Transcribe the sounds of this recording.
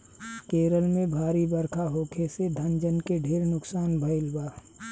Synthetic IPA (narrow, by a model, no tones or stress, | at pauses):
keːɾəlmẽbʱaːɾibəɾkʰaɦoːkʰesed̪ʱɐnd͡ʒənkeɖʱeːɾnʊksaːnbʱɐɪlbaː